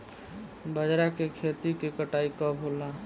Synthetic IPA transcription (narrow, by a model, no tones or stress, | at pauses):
bəd͡ʒɾakekʰet̪ikekəʈaikɔbʱola